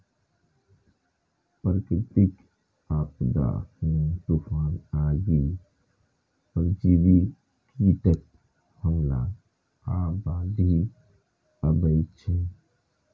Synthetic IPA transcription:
pəɾkɾɪt̪ɪk | aːpd̪a̰ːhũːt̪uːfaːnaːɡiː | pəɾd͡ʒiːʋi | kit̪ək̚ | həmla̰ | aːbaːd̪i | əbəit͡ʃʰẽ

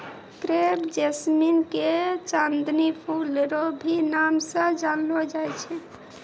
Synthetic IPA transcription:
kɾebd͡ʒesminket͡ʃand̪nipʰulɾobʱinamsə̃d͡ʒanlod͡ʒajt͡ʃʰɛ

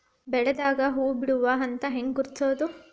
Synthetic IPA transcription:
bɛɭɐd̪aːɡɐɦuːbiɽuʋaɦɐnt̪ɐɦeŋɡɡuɾt̪ʰoːd̪u

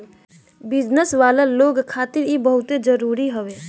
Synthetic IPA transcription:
bɪd͡ʒnəsʋaːlaloːɡkʰaːt̪ɪɾjebəɦʊt̪ed͡ʒəɾuːɾiɦəʋe

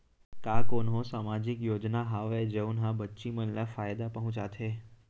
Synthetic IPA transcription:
kaːkoːnɦosaːmad͡ʑɪkjoːd͡ʒnaɦaːʋed͡ʒeunɦãbətːʃimənlafaːjd̪apɐɦũt͡ʃaːt̪ʰeː

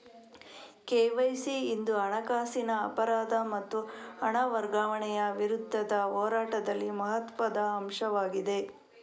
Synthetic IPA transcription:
keʋɐjsiːnd̪uɐɳɐkaːsinɐːpɐɾaːd̪ɐmɐt̪ːuɐɳɐʋɐɾɡaːʋɐɳɛjɐʋiɾud̪ʱːɐd̪ɐɦoːɾaːʈɐd̪ɐlːimɐɦɐt̪ʋɐd̪ɐːmʂɐʋaːɡid̪e̞

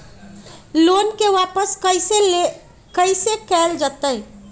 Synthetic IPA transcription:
loːnkeʋaːpəskəɪsee | kəɪsekɛːld͡ʒat̪əj

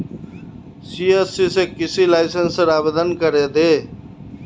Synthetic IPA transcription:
siːesiːsekɪsiːlaːɪsənsəɾaːbeːd̪ənkəɾeːd̪eː

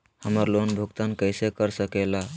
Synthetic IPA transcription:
həməɾlonbʱuɡt̪ankəɪsekəɾsəkela

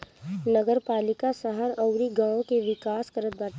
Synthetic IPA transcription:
nɐɡəɾpaːlɪkasəɦaɾɐʊɾiɡãːõkeʋɪkaːskəɾət̪̚baː

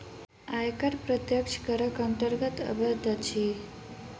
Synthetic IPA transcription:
ajkəɾpɾət̪jəkʂkəɾəkənt̪əɾɡət̪ə̰bʱət̪at͡ɕʰi

